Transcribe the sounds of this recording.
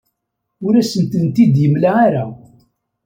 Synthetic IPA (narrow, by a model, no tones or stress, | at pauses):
ʊɾæsənt̪ənt̪id̪jəmlaaɾa